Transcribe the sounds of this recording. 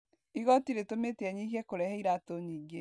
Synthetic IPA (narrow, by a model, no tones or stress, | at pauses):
iɣɔtiɾetometeɛɲiɦiɛkoɾɛhɛiɾatoɲiːɡe